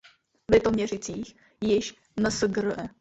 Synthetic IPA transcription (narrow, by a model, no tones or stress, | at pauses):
vɪt̪omɲɛrɪt͡siːx | jɪʃ | nəsəɡɾəɛ